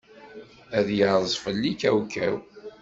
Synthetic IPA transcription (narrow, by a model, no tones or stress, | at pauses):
æðjəzˤfəlːikæwkæw